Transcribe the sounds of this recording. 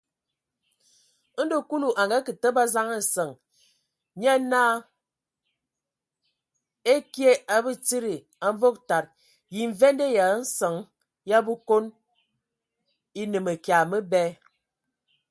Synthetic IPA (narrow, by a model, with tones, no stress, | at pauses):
n̩˦do˦ku˦lu˨ʔa˨ŋɡa˦kɨ˨tə˦ba˦za˦ŋə˨sə˨ŋ | ɲ˦a˦naː˦ | e˦kje˦ʔa˦bə˦t͡si˦ɾi˨ | a˨ɱ˦vo˦k̚ta˨t̚ | ji˨ɱ̩˨ve˦nde˦ja˨˦n̩˦sə˨ŋ | ja˦bu˦ko˦n | i˦nɨ˨me˨kja˨mə˦bɛ˦